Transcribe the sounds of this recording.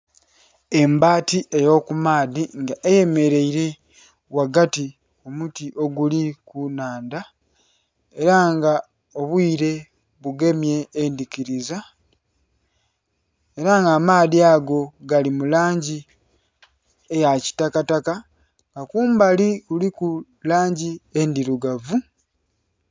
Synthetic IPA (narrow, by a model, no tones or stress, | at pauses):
e̞mbaːtiʔejo̞kumaːðiŋɡaʔeje̞me̞ɾe̞iɾe̞ | waɡati | omutiʔo̞ɡulikunaːnda | e̞ɾaŋɡa | o̞βwiːɾe̞ | βuɡe̞mje̞ːndikiɾiza | e̞ɾaŋɡamaːðiaɡo̞ɡalimulaːɲɟi | ejaci̥takataka | ŋɡakuːmbaliuliku | laːɲɟie̞ndiɾuɡavu